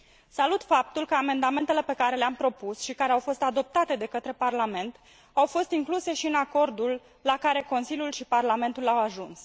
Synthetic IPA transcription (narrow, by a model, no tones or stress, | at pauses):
salut̪fap̚t̪ulkəame̞nd̪ame̞nt̪ele̞pe̞kaɾe̞leampɾo̞pusʃikaɾe̞awfo̞st̪ad̪o̞p̚t̪at̪e̞d̪e̞kət̪ɾe̞parlame̞nt̪ | awfo̞st̪iŋkluse̞ʃiɨnako̞rd̪ulː | akaɾe̞ko̞nsilʲjulʃiparlame̞nt̪ulawaʒuns